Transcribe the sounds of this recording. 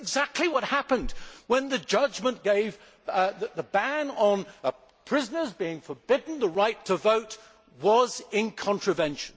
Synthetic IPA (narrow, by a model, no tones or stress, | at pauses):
ɡzæk̚tʰˡliwʌt̚hæpɨ̃ndwə̃nðɨd͡ʒʌd͡ʒmə̃nɡ̥eɪv | ððəbæ̃nə̃nə | pʰɹ̥ɪzənə˞zbiɪ̃ŋfə˞bɪdⁿn̩ðəɹaɪtʰəvoʊt̚ | wʌzɪ̃nkʰɑ̃ntɹ̥ɨvɛ̃nʃn̩